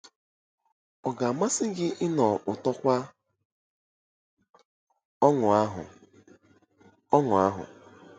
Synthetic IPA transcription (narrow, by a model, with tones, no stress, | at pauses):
ɔ˨ɡa˨a˨ma˦sɪ˦ɡɪ˦ʔɪ˦nɔ˨ʔʊ˨tɔ˦kʷa˦ | ɔ˦ŋʊ˨a˦ɦʊ̰˨ | ɔ˦ŋʊ˨a˦ɦʊ̰˨